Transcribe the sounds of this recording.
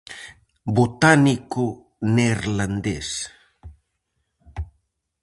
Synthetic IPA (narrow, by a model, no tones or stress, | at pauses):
but̪aniku | nerland̪es